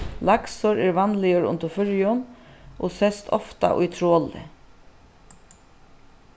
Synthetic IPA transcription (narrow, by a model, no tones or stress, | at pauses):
laksɔɾeːɾʋanlɪəɾʊ̰nt̪ʊfʏɹjʊnʔo̰ːsɛst̪ʰɔ̰ft̪a̰ʔʊ̰jt̪ʰɾoːlɪ̰